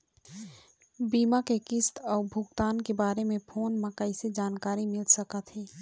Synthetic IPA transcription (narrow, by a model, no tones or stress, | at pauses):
biːmakekɪst̪ɔːɾbʱʊɡt̪aːnkebaːɾemẽpʰoːnməkəɪsed͡ʒaːnkaːɾimɪlsəkət̪ɦɛː